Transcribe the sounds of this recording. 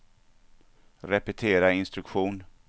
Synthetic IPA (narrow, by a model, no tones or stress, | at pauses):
ɾɛpɛt̪ʰeːɾaɪnst̪ɾɵkɧuːn